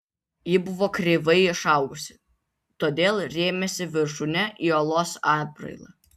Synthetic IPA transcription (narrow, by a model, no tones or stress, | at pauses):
jɪbʊʋoːkɾʲeːʋɐɪɪʃɑˑʊɡʊsʲɪ̥ | t̪oːd̪ʲeːlˠɾʲeːmʲɛsʲɪʋʲɪɾʃʊnʲɛʔioːlˠoːsɑːd̪̚bɾɐ̰ɪlˠɐ̰